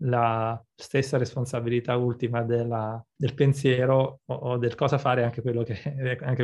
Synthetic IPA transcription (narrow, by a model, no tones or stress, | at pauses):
la | st̪esːaɾesponsabilit̪ault̪imad̪elːad̪elpensjɛːɾooːd̪elkɔːzafaːɾeaŋk̟ekwelːokeaŋke